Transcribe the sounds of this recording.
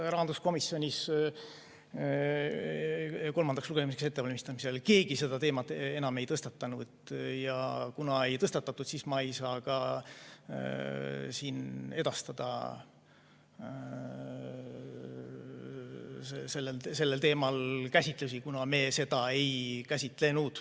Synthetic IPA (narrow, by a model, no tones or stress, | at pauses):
rɑɦɑnd̪usko̞misːjo̞nʲis | ko̞lmɑnd̪ɑksluɡ̥eimisekse̞t̪ːe̞ɑlmist̪ɑmise̞lke̞ːɡise̞d̪ɑt̪e̞ːmɑt̪ːˑe̞nɑme̞jt̪ɤst̪ɑt̪ːɑnud̪̥jɑkunɑe̞jt̪ɤst̪ɑt̪ːˑɑt̪ːˑud̪sismɑejsɑːkɑ | siːne̞d̪̥ɑst̪ɑd̪̥ɑ̰ | sese̞lːelse̞lːe̞lt̪e̞ːmɑlkæsʲit̪ˑlusikunɑme̞ːse̞d̪̥ɑe̞jkæsʲit̪ˑle̞nud̪̥